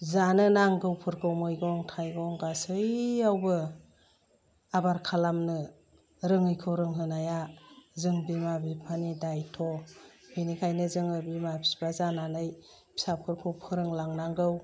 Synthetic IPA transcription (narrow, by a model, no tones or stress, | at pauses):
zanɯnaŋɡɯwpʰɯɾkʰɯwmɯjɡɔŋtʰajɡɔŋɡasɯjawbɯ | abaɾkʰalamnɯ | ɾɯŋɯjkʰɯwɾɯŋɦɯnajazɯŋbimabipʰanidajtʰɔhinikʰajnɯzɯŋɯbimapʰi̥sbazananɯj | pʰi̥sapʰɯɾkʰɯwpʰɯɾɯŋlaŋnaŋɡɯw